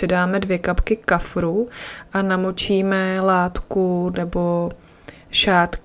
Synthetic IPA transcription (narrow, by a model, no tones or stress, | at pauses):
ɛdaːmɛdvjɛkapkɪkafɾuʔanamot͡ʃiːmɛlaːt̪kunɛbo̞ | ʃaːt̪k